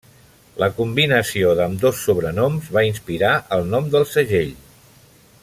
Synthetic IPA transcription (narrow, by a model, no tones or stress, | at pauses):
ləkumbinəsioðəmd̪osːuβɾənɔmzβainspiɾaʔəlˠnɔmd̪əlˠsəʒeʎ